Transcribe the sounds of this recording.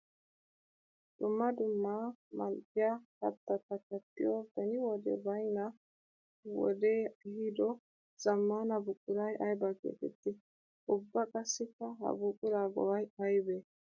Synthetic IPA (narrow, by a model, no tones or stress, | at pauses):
d̪̥ʊmːɐd̪ʊmːaːmɐlɡɪjakɐt̪ːɐtːɐkɐt̪ːɪ̰jobɛnɪwɔd̪ɛ̰bɐjnɐ | wɔ̰d̪eːhid̪ɔ | z̥ɐmːaːnɐbʊkʼːʊlɐjʔɐjbakḛːt̪ɛt̪ːɪ | ʔʊbːɐkʼɐsːɪkːɐɦɐ̰bʊkʼːʊlaːɡɔwɐjɐjbeː